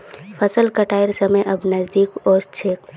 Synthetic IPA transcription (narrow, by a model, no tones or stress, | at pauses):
fʰɐsəlkɐʈaːɪɾsɐməjʔɐbnɐzd̪iːkɔːɾt͡ʃʰeːk